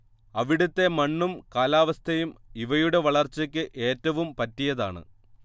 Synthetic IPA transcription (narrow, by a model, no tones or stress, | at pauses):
ɐʋiɽut̪ːe̞mɐɳːumkaːlaːʋɐst̪ʰɐjumiʋɐjuɽe̞ʋɐɭɐrt͡ɕːɐk̬ʲːɨʔe̞ːtːɐʋumpɐtːijɐðaːɳɨ̰